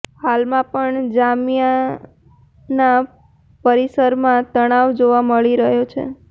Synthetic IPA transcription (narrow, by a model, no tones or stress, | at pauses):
halmãpəɳd͡ʒamija | na | pəɾisəɾmãt̪əɽ̃aʋd͡ʒoʋaməɭiɾəɦjot͡ʃʰḛ